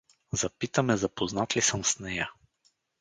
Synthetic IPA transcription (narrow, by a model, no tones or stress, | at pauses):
zɐpit̪əmɛzɐpoznat̪lisəmsnɛja